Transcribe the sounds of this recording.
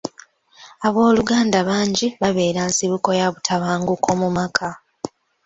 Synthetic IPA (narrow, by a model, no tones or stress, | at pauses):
aβo̞ːluɡaːndaβaːɲɟiβaβe̞ːɾansiβuko̞jaβutʰaβaːŋɡukʰo̞mumakʰa